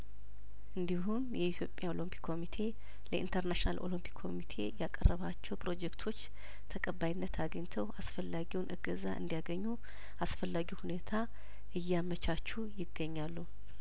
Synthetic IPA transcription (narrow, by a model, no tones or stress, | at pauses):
ʔɨnd̪iɦumjɛit̪ʰjo̞pʼjao̞lompʰi̥kʰːo̞mit̪ʰe̞ | ləʔḭnt̪ʰəɾnaʃina̰lʔo̞̰limpʰi̥kʰːo̞̰mit̪ʰe̞jakʼərːəβat͡ʃːɛwpɾo̞d͡ʒɛkt̪ʰo̞t͡ʃː | t̪ʰəkʼəbːajinːət̪ʰaɡəɲt̪ʰəwasfəlːaɡiwnʔɨɡəzaʔɨ̰nd̪ijaɡəɲːu | ʔasfəlːaɡihune̞t̪ʰa | ʔɨjːamət͡ʃʰat͡ʃːujɪɡːəɲːalːu